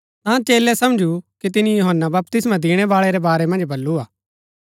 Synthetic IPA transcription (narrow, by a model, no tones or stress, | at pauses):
t̪ãːt͡ʃeːlɛsɐmd͡ʒukit̪̬ɪnijʊɦənːabɐp̚t̪ɪsmãd̪ɪɽ̃ɛʋaːɭɛɾɛbaːɾɛmɐ̃nd͡ʒbɐlːuaː